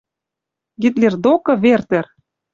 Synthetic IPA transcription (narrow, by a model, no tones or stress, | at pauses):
ɡit̪̬lʲerd̪okɤ̆βert̪ĕr